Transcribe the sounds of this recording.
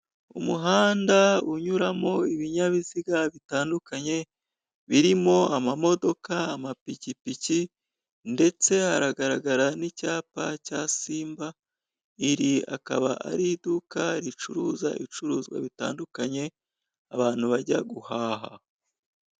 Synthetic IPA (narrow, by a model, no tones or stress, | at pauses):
ṵmuɦaːndauɲuɾamo̞iβiɲaβiziɡaβitaːndukaɲe̞ | βiɾimo̞amamo̞do̞kaːmapicipici | nde̞t͡se̞haɾaɡaɾaɡaɾanicaːpacaːsiːmba | iɾia̰ka̰βaʔa̰ɾidukaɾit͡ʃuɾuːza̰ʔit͡ʃuɾuːzɡwa̰βita̰ːndukaɲe̞ | a̰βaːn̥huβaɟaɡuhaːɦa